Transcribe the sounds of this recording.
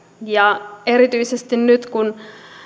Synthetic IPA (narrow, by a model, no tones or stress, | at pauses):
jɑeɾit̪yisest̪innyt̪kun